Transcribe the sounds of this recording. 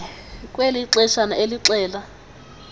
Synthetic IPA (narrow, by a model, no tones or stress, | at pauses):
kʼweliǁɛʃanaeliǁɛːla